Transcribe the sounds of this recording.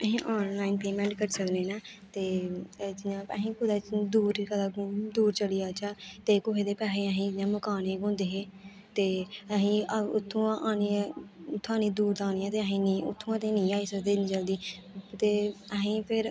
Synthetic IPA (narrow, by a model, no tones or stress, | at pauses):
əɦĩːʔɔːnlaːinpeːmɛ̃ːɳʈkəɾsəkneːnaːt̪eːd͡ʒɪãːpəɦĩːkʊd̪aːd̪uːɾkəd̪aːd̪uːɾt͡ʃəliːaːt͡ʃaːt̪eːkoɦeːd̪eːpɛːɦeːəɦĩːnãːməkaːneːkõːnd̪eːɦeː | t̪eːəɦĩːʊt̪ʰːõːaːniːʊt̪ʰːãːnĩːd̪uːɾd̪ãːniːãːt̪eːəɦĩːniʊ̰t̪ʰːõːat̪ẽːnĩːaːiːsəkd̪eːnĩd͡ʒəːld̪iː | t̪eːəɦĩːpʰɪɾ